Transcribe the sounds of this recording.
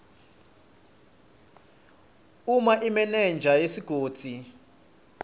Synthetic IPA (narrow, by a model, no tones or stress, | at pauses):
umaʔimɛnɛnd͡ʒʱajesiɡ̥ʱoːd̥d͡z̥ʱi